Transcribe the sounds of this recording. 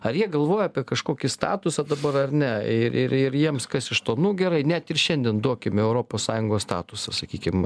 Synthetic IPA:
ɐɾjiɛɡɐlˠʋoːjɛɐpʲiɛkɐʃkoːkʲɪst̪ɑ̰ːt̪ʊsɐd̪ɐbɐɾɐrnʲɛɪɾɪɾɪɾjiɛmskɐsɪʃt̪oːnuːɡʲɛɾɐɪnʲɛt̪ɪrʃʲɛnʲd̪ʲiɛnd̪uɔkʲɪmʲɛʊɾoːpoːssɑːjʊŋɡoːst̪ɑ̰ːt̪ʊsɐsɐkʲiːkʲɪm

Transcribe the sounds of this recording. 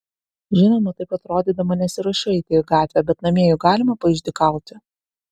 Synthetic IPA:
ʒʲɪnʲoːnɐt̪ɐɪpɐt̪ɾoːd̪ʲiːd̪ɐmɐnʲɛsʲɪɾʊʃʲɛɪt̪ʲeːɡɑːt̪ʲʋʲɛːbʲɛt̪nɐmʲiɛjʊɡɑːlʲɪmɐpɐɪʒʲd̪ʲɪkɐˑʊt̪ʲɪ

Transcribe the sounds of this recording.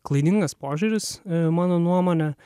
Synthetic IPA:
klˠɐɪd̪ʲɪŋɡɐspoːʒʲuɾʲɪsmɑːnoːnuɔmoːnʲɛ

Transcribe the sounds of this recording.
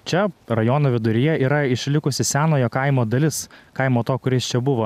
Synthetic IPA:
t͡ʃʲɛɾɐjoːnoːʋʲɪd̪ʊɾʲɪjɛiːɾɐɪʃʲlʲɪkʊsʲɪsʲæːnoːjoːkɐɪmoːd̪ɐlʲɪskɐɪmoːt̪oːkʊɾʲɪst͡ʃʲɛbʊʋoː

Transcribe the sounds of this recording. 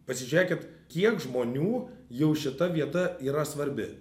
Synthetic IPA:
pɐsʲɪʒʲʋʲeːkʲɪt̪kʲiɛkʒmoːnʲuːjɛʊʃʲɪt̪ɐʋʲiɛt̪ɐiːɾɐsʋɐɾʲbʲɪ

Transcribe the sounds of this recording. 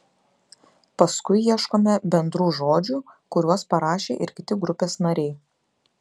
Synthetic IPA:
pɐskʊɪjiɛʃkoːmʲɛbʲɛnd̪ɾuːʒoːd͡ʒʲuːkʊɾʲuɔspɐɾɑːʃʲḛːʔɪɾkʲɪt̪ʲɪɡɾʊpʲeːsnɐɾʲɛɪ

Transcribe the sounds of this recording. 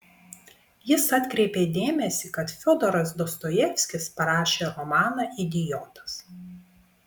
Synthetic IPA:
jɪsɐt̪ʲkɾʲɛɪpʲeːd̪ʲeːmʲɛsʲiːˑkɐt̪fʲod̪ɔɾɐsd̪ɔst̪ɔjɛfʲsʲkʲɪspɐɾɑːʃʲeːɾɔmɑːnɑʔid̪ʲɪjoːt̪ɐ̥s

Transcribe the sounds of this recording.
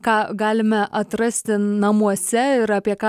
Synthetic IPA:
kɑːɡɑːlʲɪmɛʔɐt̪ɾɐsʲt̪ʲɪnɐmuɔsʲɛɪɾɑːpʲiɛkɑː

